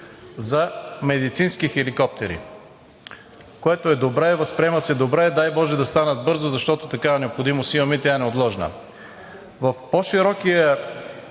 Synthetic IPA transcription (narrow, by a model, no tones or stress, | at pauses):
zɐmɛd̪it̪sinskixɛlikɔp̚t̪ɛɾḭ | koɛt̪oɛd̪obɾɛvɐspɾʲiɛməsɛd̪obɾɛːd̪ajbɔʒɛd̪ɐst̪anəd̪̚bɤɾzozɐʃt̪ɔt̪ot̪ɐkaɛnɛopxod̪imosimɐmɛt̪ʲjaɛnɛot̪lˠɔʒnə̰ | vɐfpoʃiɾɔkijə